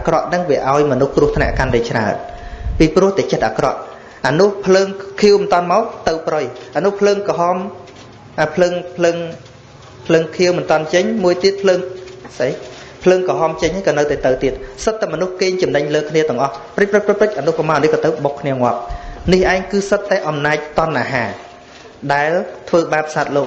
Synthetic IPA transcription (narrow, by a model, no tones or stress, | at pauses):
ʔakrɑʔnɨŋʋiəʔaɔjmɔnuhkrŭəht̪ʰna̰əʔkanɗat͡ɕra̰ənpiːprŭəht̪ɛːt͡ɕət̪̚ʔa̰krɑʔ | ʔanuhpʰləːŋkʰiəwmənt̪ŏənmaɔt̪ɨwprəjʔanuhpʰləːŋkɑɦɑm | aːpʰləːŋpʰləːŋ | pʰləːŋkʰiəwmɨnt̪ŏənt͡ɕəɲmuəjt̪iət̪̚pʰləːŋsəj | pʰləːŋkɑɦɑːmt͡ɕəɲhaːjkɑːnɨwt̪aɛt̪ɨwt̪iət̪̚sət̪ːaɛmɔnuhkeːɲt͡ɕɑmnəɲləːkʰniət̪ɨ̆əŋʔɑhprɨc̚prəc̚prɨj̚prɨc̚ʔanuhpɑmaːʔnɨhkɑːt̪ɨwɓokʰːniəŋŏəp̚nihʔaɛŋkɨːsət̪ːaɛʔɑmnaːc̚t̪ŏənʔaːɦaː | ɗaɛlt̪ʰʋəːɓaːp̚saːt̪̚loːk